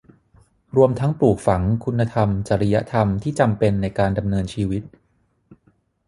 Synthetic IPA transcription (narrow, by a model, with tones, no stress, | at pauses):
ɾu˧əmt̪ʰa˦˥ŋpluː˨˩k̚fa˩˦ŋkʰu˧nːa˧t̪ʰa˧mt͡ɕa˨˩ɾa˧ja˦˥ʔt̪ʰa˧mt̪ʰiː˥˩t͡ɕa˧mpe˧nːa˧jkaː˧nda˧mnɤː˧nt͡ɕʰiː˧wi˦˥t̪̚